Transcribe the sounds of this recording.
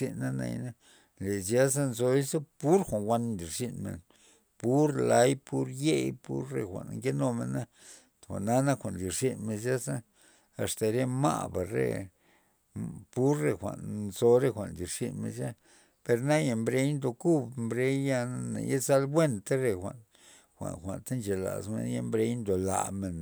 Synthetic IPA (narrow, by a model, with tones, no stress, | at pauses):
i˧nːa˦na̰˧˨jna˦ | le˨zja˦s̬a˦nzo˧i˦sa˦pu˦ɾxʷa˨nwʷa˧nnd̪i˨ɾʂi˧nmḛ˨n | pu˦ɾla˦jpu˦ɾje˦jpṵ˦ɾːḛ˧xʷa̰˨nŋke˦no˧me˨na˦˨ | a̰˨ʔna˦na˦xʷa˨nd̪i˨ɾʂi˦nme˧nzja˦sa˦ | a̰˨st̪a˨ɾe˦ma̰˦˨ba̰˨ɾḛ˧˨ | pu˦ɾːe˧xʷa̰˨nzo˧ɾe˦xʷa˨ʔnd̪i˨ɾʂi˧nmḛ˧˨nʃa˦ | pe˧ɾna˦ja˧˨mbɾe˦jnd̪o˧ku˦bmbɾe˧jja˦˧na˦na̰˨je˦za˦lbwe˦nt̪a˦ɾe˧˨xʷa̰˨n | xʷa̰˨xʷa̰˨nt̪a˦nt͡ʃe˨la̰˨smḛ˧˦nja˧mbɾe˧jnd̪o˨la̰˨me˨n